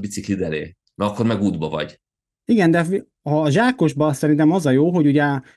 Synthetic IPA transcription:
bit̪siklid̪ɛlḛː | mɛɒkːoɾmɛɡuːd̪bɒvɒ̰ɟ | iɡɛnd̪ɛ | ɒːʒaːko̞ʒbɒsɛɾint̪ɛmɒzɒjoːɦo̞ɟuɟɛ

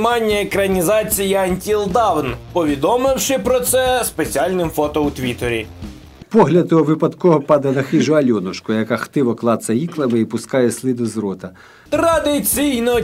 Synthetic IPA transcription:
mɑnʲːɐekɾɐnʲizɑt͡sʲijiɐnʲt̪ʲilˠd̪ɑwnpɔʋʲid̪ɔmɪwʃɪpɾɔt̪sɛspet͡sʲiɑlʲnɪmfɔt̪ɔut̪ʲʋʲit̪eɾʲḭ | pɔɦlʲɐd̪ɔʋɪpɐd̪kɔɦɔpɑd̪ɐnɐxɪʒʊɐlʲɔnʊʃkʊjɐkaxt̪ɪʋɔklˠɑsɐjiklˠɐmɪipʊskɑjɛslʲˠid̪ʊzɾɔt̪ɐ | t̪ɾɐd̪ɪt͡sʲijnɔ

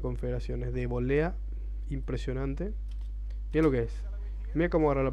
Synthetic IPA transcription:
ko̞ɱfeðeɾasjonezðeβolea | impɾesjonãnt̪e | mialokees | miakomoɣaɾalap

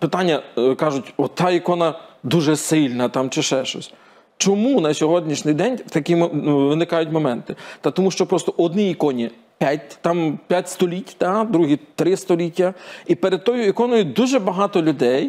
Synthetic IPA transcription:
pɪt̪ɑnʲːɐkɑʒʊtʲɔt̪ɑikɔnɐd̪uʒɛsɪlʲnɐt̪ɑmt͡ʃɪʃɛʃt͡ʃɔ̰sʲ | t͡ʃɔmunɐsʲɔɦɔdʲnʲiʃnʲɪjd̪ɛnʲwt̪ɐkiʋɪnɪkɑjʊtʲmɔmɛnt̪ɪt̪ɐt̪ɔmuʃt͡ʃɔpɾɔst̪ɔʔɔd̪niːkɔnʲi | pʲatʲt̪ɑmpʲjatʲst̪ɔlʲitʲt̪ɑd̪ɾuɦit̪ɾɪst̪ɔlʲitʲːɐipeɾed̪̚t̪ɔjʊikɔnɔjʊd̪uʒɛbɐɦɑt̪ɔlʲʊd̪ɛj

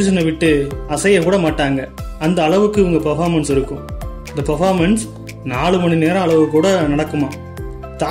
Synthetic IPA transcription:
ɪʃɐnɐʋɪʈːɯɐsɐjɐkuːɽɐmaːʈːaːŋɡɐɐnd̪ɐːɭɐʋɯkːɯʋɯŋɡɐpɐɾfaːɾmɐnsɪɾɯkːɯ̃ | nd̪ɐpɐɾfaːɾmɐns | naːɭɯmɐɳineːɾɐ̃ɐɭɐʋɯkːuːɽɐnɐɽɐkːɯmaː | t̪a

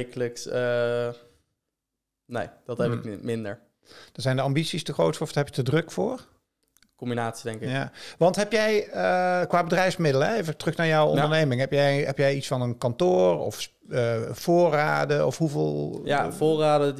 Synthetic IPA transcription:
kələksə | nejd̥ɑtɛpɪkmɪndə̰ɹ | d̥ɑzɛjndəɑmbitsistəχrowtɔfdɦɛpjətədrɵkfʊːɹ | kɔmbinaːtsi̥dɛŋkɪjaʋɑntɦɛpjɛjəkʋaːbədrɛjfsmɪdələejvətrɵxnaːɹjɔwɔ̰ndəɹnejmɪŋɦɛpjɛɦɛpjɛjitsfɑnənkɑntʊːrɔ̰f | v̥ʊːraːdəɔfɦuvɪːlˠjavʊːraːdə

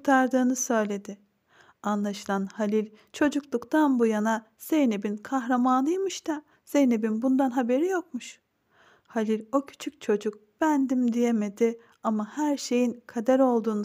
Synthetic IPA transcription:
kt̪ʰaɾd̪ɯːnɯsø̞jlʲe̞d̪ɪ | anlˠaʃɯlˠanhalʲilʲ | t͡ʃʰo̞d͡ʒuklˠukt̪ʰanbujana | z̥ejnebinkʰaxɾamanlˠɯjmɯʃt̪ʰa | z̥ejnebinbund̪anɦabe̞ɾijo̞k̚muʃ | halʲilʲo̞cʰy̥t͡ʃʰyc̚t͡ʃʰo̞d͡ʒuk̚b̥ænd̪imd̪ije̞me̞d̪ɪ | amahæɾʃe̞jinkʰad̪æɾo̞lˠd̪uːnu

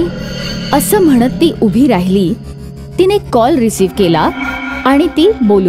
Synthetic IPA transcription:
iəsəːm̤əɽ̃ət̪ːiːʔubʱiːɾaɦiliː | t̪inekɔlɾisiːʋkelaaɽ̃it̪iːbolu

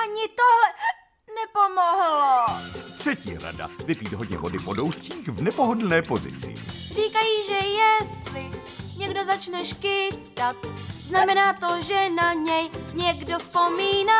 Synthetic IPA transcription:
ʔaɲɪt̪oɦlɛ | nɛpomoɦlot̪r̝̥ɛcḭːɾa̰da̰vɪpiːt̪ɦodɲɛ̰vo̞dɪvodowsciːxvnɛpoɦodl̩nɛːpo̞zɪ̰t͡sɪ̰riːkajiːʒɛjɛst̪lɪɲɛɡdo̞zat͡ʃnɛʃkɪt̪at̪̚znamɛnaːt̪oʒɛnaɲɛjɲɛɡdo̞spomiːna

